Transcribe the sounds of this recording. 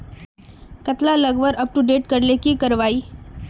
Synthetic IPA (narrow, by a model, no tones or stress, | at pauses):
kət̪laləɡʋəɾəp̚ʈuɖeʈ̚kəɽlekiːkəɾʋaiː